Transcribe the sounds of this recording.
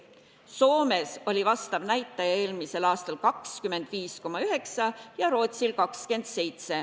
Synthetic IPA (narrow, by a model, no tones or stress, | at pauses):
so̞ːme̞so̞lʲivɑst̪ɑvnæjt̪ːˑɑjɑe̞ːlmise̞lɑːst̪ɑlkɑkskyme̞nd̪̥viːsko̞mɑyɦe̞ksɑjɑɾo̞ːt̪silkɑkske̞nd̪̥se̞jt̪se̞